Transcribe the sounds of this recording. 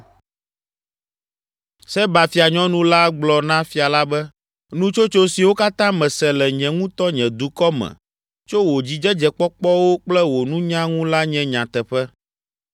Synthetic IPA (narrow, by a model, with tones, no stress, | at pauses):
sɛ˦ba˨fi˨a˨ɲɔ̃˦nũ˦la˦ɡ͡blɔ˨nã˦fi˨a˨la˦bɛ˦ | nũ˦t͡ʃo˦t͡ʃo˦si˨wo˦ka˦t̪ã˦mɛ̃˨sɛ˨lɛ˨ɲɛ̃˨ŋũ˦t̪ɔ˦ɲɛ̃˨d̪u˨kɔ˦mɛ̰̃˨ | t͡ʃo˦wo˨d͡ʑi˨d͡ʒɛ˦d͡ʒɛ˨k͡pɔ˦k͡pɔ˦wo˦k͡plɛ˦wo˨nũ˦ɲã˦ŋũ˦la˦ɲɛ̃˦ɲã˨t̪ɛ˨ɸɛ˦